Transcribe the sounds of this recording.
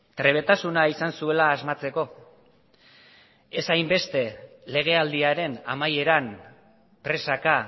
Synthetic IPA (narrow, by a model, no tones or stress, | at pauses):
t̪ɾe̞β̞e̞t̪asunaisansue̞laːzmat͡se̞ko̞ | e̞sajmbe̞st̪e̞ | le̞ɣ̞e̞ald̪iaɾe̞na̰maje̞ɾan | pɾe̞saka